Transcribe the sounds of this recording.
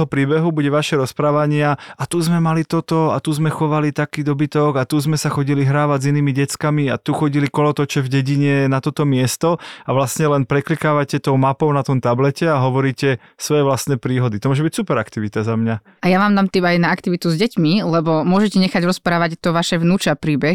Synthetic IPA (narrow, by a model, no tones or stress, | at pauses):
ɦɔpɾiːbɛɦubuɟɛʋaʃɛɾɔspɾaːʋaɲɪaat̪uzmɛmalit̪ɔt̪ɔat̪uzmɛxɔʋalit̪akiːd̪ɔbit̪ɔɡat̪uzmɛsaxɔɟiliɦɾaːʋaziniːmiɟɛt͡skamia̰t̪uxɔɟilikɔlɔt̪ɔt͡ʃɛvɟɛɟiɲɛnat̪ɔt̪ɔmɪɛst̪ɔaʋlast̪ɲɛlɛnpɾɛklikaːʋacɛt̪ɔʊmapɔʊnat̪ɔmt̪ablɛcɛaɦɔʋɔɾiːcɛ | sʋɔjɛʋlast̪nɛːpɾiːɦɔd̪it̪ɔmʊɔʒɛbicsupɛɾakt̪iʋit̪azamɲa | ʔajaʋaːmd̪amt̪ibajnaakt̪iʋit̪uzɟɛcmilɛbɔmʊɔʒɛcɛɲɛxaɟɾɔspɾaːʋact̪ɔʋaʃɛʋnuːt͡ʃapɾiːbɛ